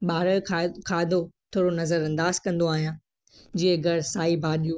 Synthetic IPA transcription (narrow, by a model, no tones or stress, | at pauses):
ɓaːɾəkʰakʰaːɪd̪ot̪ʰoːɾonɐzəɾɐ̃nd̪aːzkɐ̃nd̪oaːɦijãː | d͡ʑiẽɡʱɐɾsaːibʱaːɗijũ